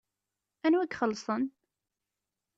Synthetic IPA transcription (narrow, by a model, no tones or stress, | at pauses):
ænwæɡχəlːsˤən